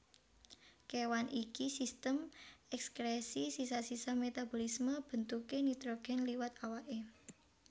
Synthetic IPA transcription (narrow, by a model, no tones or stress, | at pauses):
kewanikisist̪əmɛkskɾesisisasisamet̪abo̤lisməb̥ə̤nt̪ukenit̪ɾoɡ̥ɛ̤nliwat̪awaʔe